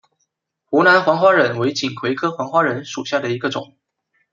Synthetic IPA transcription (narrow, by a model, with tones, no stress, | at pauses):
xu˧˥na˧˥nxwɑ˧˥ŋxwa˥ɻə˧˥nwe˧˥ɪt͡ɕi˨˩ŋkʰwe˧˥ɪkʰɤ˥xwɑ˧˥ŋxwa˥ɻə˧˥nʂu˨˩ɕja˥˩d̪ə˩i˧˥ɡə˧ʈ͡ʂʊ̰˨˩˦ŋ